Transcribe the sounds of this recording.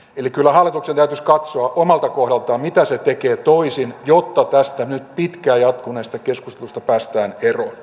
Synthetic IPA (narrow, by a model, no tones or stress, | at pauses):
elikylːæhɑlːˑit̪uksent̪æyt̪yskɑt̪soɑʔomɑlt̪ɑkohɾɑlt̪ɑːmit̪æset̪ekeːt̪oisinjot̪ːɑt̪æst̪ænyt̪pit̪kæːjɑt̪kuneːst̪ɑkeskust̪elust̪ɑpæːst̪æːnero